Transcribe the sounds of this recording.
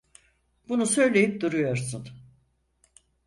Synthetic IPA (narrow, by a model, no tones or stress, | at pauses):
b̥unusø̞jlʲe̞jip̚d̪uɾujo̞ɾsun